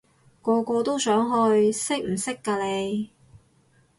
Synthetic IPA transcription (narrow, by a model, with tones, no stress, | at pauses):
kɔː˧kɔː˧t̪o˥wsœː˨˥ŋɦɵ˧jsɪ˥k̚m̩˨˩sɪ˥kːaː˧le˨˧j